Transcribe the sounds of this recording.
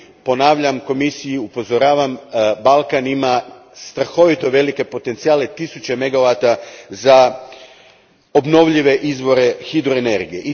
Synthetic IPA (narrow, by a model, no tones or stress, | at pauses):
po̞naːʋʎamko̞misijiupo̞zo̞ɾaːʋambalˠkanima | st̪ɾaxo̞ʋit̪o̞ʋe̞like̞po̞t̪ent̪siaːle̞t̪isut͡ɕe̞me̞ɡaʋat̪aza | o̞bno̞ʋʎiʋe̞ʔizʋo̞ɾe̞xid̪ɾoene̞ɾɡijeʔi